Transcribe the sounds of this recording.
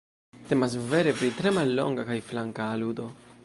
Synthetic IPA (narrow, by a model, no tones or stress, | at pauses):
t̪emas̬veɾepɾit̪ɾemalːo̰ŋɡakajflaŋkaːlud̪o̞